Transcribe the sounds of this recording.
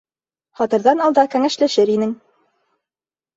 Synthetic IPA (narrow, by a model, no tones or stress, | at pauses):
χɑt̪ɤ̆ɾðɑnɑlˠd̪ɑkæŋæʃlæʃɘɾinɘŋ